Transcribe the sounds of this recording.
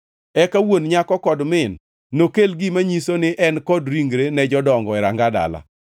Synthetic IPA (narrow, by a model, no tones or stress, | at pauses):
ɛkawonɲakɔkɔdmɪnː | okelɡimaɲisonɪʔɛnkɔdɾiŋɡɾenɛd͡ʒɔdɔŋɡɔɛɾaŋɡada̰la̰